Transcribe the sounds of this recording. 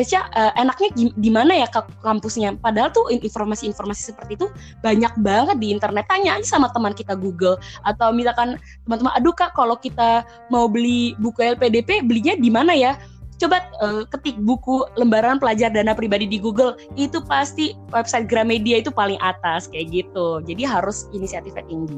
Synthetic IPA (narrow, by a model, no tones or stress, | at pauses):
asaʔəʔenak̚ɲaidimanajakakampusɲapadaɦalt̪uininformasiːnformasi̥səpərt̪iːt̪u | b̥aɲak̚baŋət̪̚diːnt̪ərnɛt̪ːaɲaɲasamat̪əmankit̪aɡuɡəlʔat̪awmit̪akan | t̪əmant̪əmanʔadukaʔkalokit̪a | maubəlibukuɛlpedepebəliɲadimanaja | t͡ʃobat̪̚əkət̪ɪk̚bukuləmbaɾanpəlad͡ʒardanapɾibadidiɡuɡəlit̪upast̪iwɛpsajt̪̚ɡɾamediait̪upalɪŋʔat̪askajaɡit̪ud͡ʒadiɦaɾʊsinisiat̪ɪfat̪iŋɡi